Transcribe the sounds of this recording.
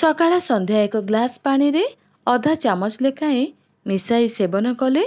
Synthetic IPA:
sɔkaɭasɔnd̪ʱjaekɔɡlaspaɽ̃iɾe | ɔd̪ʱat͡ʃamɔt͡ʃlekaẽ | misajsebɔnɔkɔle

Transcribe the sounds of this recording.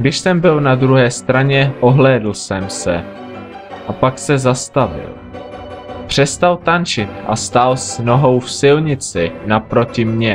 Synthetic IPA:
ɡdɪʃsɛmbɪlnad̪ɾuɦɛːst̪ɾaɲɛʔo̞ɦlɛːdl̩sɛmsɛ̰ | ʔapaksɛzast̪avɪ̰l | pr̝̥ɛst̪alt̪ant͡ʃɪt̪ʔa̰st̪alsno̞ɦo̞wfsɪlɲɪt͡sɪnapɾo̞cɪmɲɛ

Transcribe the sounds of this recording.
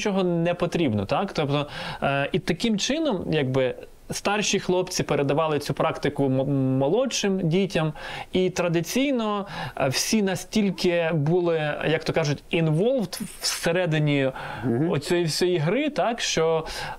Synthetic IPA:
t͡ʃɔɦɔnɛpɔt̪ɾʲibnɔt̪ɑkt̪ɔpt̪ɔit̪ɐkɪmt͡ʃɪnɔmjaɡ̚bɪ | st̪ɑrʃixlˠɔp̪t͡sʲipeɾed̪ɐʋɑlˠɪt͡sʲupɾɑkt̪ɪkʊmɐlˠɔt͡ʃɪmdʲitʲɐmit̪ɾɐd̪ɪt͡sʲijnɔwsʲinɐsʲtʲilʲkɪbulˠɪjɐkt̪ɔkɑʒʊtʲinʋɔlʲˠft̪wseɾɛd̪ɪnʲi | ɔt͡sʲɔjiwsʲɔjiɦɾɪt̪ɑkʃt͡ʃɔ

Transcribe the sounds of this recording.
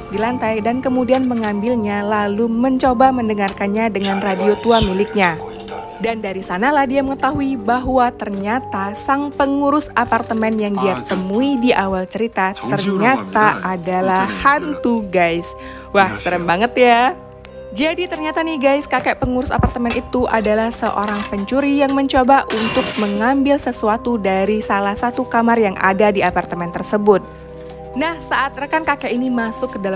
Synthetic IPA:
dilant̪ajdankəmudianməŋambɪlɲalaluməɲt͡ʃobaməndəŋarkanɲadəŋanradiot̪uamilɪk̚ɲa | dandaɾisanalahdiaməŋət̪aɦuibaɦwat̪ərɲat̪asaŋpəŋuɾʊsapart̪əmɛnjaŋdiat̪əmuidiʔawalt͡ʃəɾit̪at̪ərɲat̪aadalahhant̪uɡajs | wahsəɾəmbaŋət̪ja | d͡ʒadit̪ərɲat̪anihɡajskakɛʔpəŋuɾʊsa̰part̪əmɛnʔit̪uʔadalahsə̰ʔo̰ɾaŋpəɲt͡ʃuɾijaŋməɲt͡ʃobaʔunt̪ʊk̚məŋambɪlsəsuat̪udaɾisalahsat̪ukamarjaŋa̰dadiapart̪əmɛnt̪ərsəbʊt̪̚ | nahsaʔat̪̚rəkankakɛʔinimasʊkːədal

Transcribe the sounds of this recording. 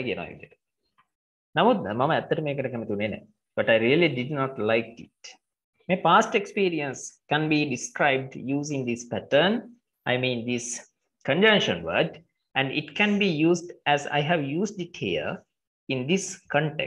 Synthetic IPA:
kiənõ̰ːḭdiʈ | namoːd̪mɐməæt̪ːəʈəmeːkəʈəkɛmət̪iunenɛ̰ | b̥ɐʈaɪɾiəliɖiɖnɔʈlaɪkḭʈ̚ | mepaːsʈekspiːɾiə̃nskæ̃nbiːɖiskɾaɪb̚ɖjuːzĩŋd̪ispæʈən | aɪmĩːnd̪is | kə̃ɲd͡ʒʌ̃ŋʃə̃nʋə̰ːɖ | æ̃ɳɖḭʈkæ̃nbiːjuːsɖæza̰jɦæʋjuːsɖiʈhiə̰ | ĩnd̪iskʰɔ̃ɳʈḛ

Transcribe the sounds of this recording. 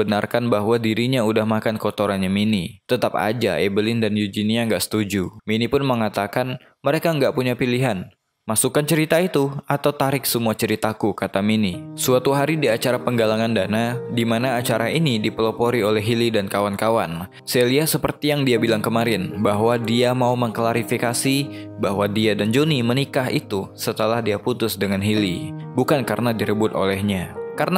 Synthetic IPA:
ənarkanbaɦwadiɾiɲaudahmakankot̪oɾanɲaminit̪ət̪apa̰d͡ʒa̰ebəlɪndanjud͡ʒiniaŋɡaʔsə̥t̪ud͡ʒuminipʊnməŋat̪akan | məɾekaəŋɡaʔpuɲapiliɦan | masukant͡ʃəɾit̪ait̪uat̪awt̪aɾɪksəmuat͡ʃəɾit̪akukat̪aminisuat̪uɦaɾidiat͡ʃaɾapəŋɡalaŋandanadimanaːt͡ʃaɾainidipəlopoɾiolɛɦilidankawankawan | saliahsəpərt̪ijaŋdiabilaŋkəmaɾɪnbaɦwadiamauməŋklaɾifikasibaɦwadiadand͡ʒonimənikaɦḭt̪usət̪əlahdiaput̪ʊsdəŋanɦilibukankarnadiɾəbʊt̪o̰lɛhɲakarna

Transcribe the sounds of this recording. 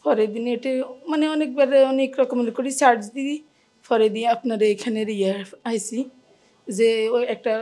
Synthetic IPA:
pʰɔɾed̪ineʈemaneɔnek̚baɾeɔnekɾɔkɔmeɳnkɔɾisaɾd͡ʒd̪i | pʰɔɾed̪iapnaɾeekʰaneɾijaaɦjsi | zeoɛk̚ʈa

